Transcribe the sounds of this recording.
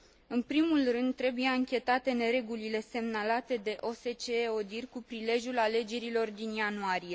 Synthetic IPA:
ɨnpɾimulrɨnd̪̚t̪ɾe̞bujaɨŋkʲe̞t̪at̪e̞ne̞ɾe̞ɡulile̞se̞mnalat̪e̞d̪e̞ʔo̞se̞t͡ʃeo̞d̪irʲkupɾile̞ʒʲjulale̞d͡ʒe̞ɾilo̞rd̪injanuaɾije̞

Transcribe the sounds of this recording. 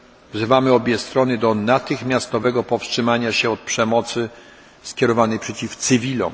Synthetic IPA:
vzɘvamɘɔbʲjɛst̪ɾɔnɘd̪ɔnat̪ɘxmʲjast̪ɔvɛɡɔpɔfstʂɘmaɲaɕɛɔt̪̚pʂɛmɔt̪sɘ | skʲɛɾɔvanɛjpʂɛt͡ɕift̪sɘvʲilɔ̰m

